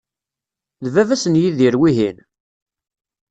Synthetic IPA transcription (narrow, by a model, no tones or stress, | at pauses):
ðvævæsənjiðiɾwiɦin